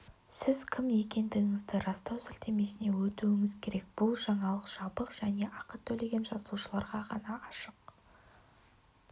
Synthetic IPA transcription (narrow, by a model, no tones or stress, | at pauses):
sɪzkʲʰɪmje̞kʲe̞nd̪ɪɡʲɪŋɪzd̪ɪɾɑst̪ɑwsɪlt̪e̞me̞sɪne̞wɵt̪uwɪŋɪzkʲʰe̞ɾe̞k̚b̥ʊlˠʒɑɴɑlˠəqʒ̥ɑbəqʒ̥æne̞ʔɑqət̪ʰːɵle̞ɡʲe̞nʒɑzluʃəlˠɑɾʁɑʁɑnɑɑʃəq